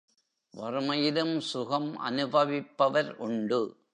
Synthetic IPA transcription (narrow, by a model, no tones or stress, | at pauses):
ʋɐrɯmɐjɪlɯmsʊɣɐmʔɐ̰nɯbɐʋɪpːɐʋɐɾʔʊɳɖɯ